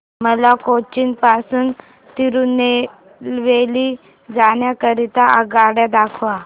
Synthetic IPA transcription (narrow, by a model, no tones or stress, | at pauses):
məlakot͡ɕinpasuːn | t̪iɾuːnːe | lʋeli | d͡zaɳjakəɾit̪aəɡaɽjad̪akʰʋa